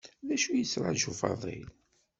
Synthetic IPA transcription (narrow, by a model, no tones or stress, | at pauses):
ðæʃujəsɾˤɑʒufɑ̰ðˤḭl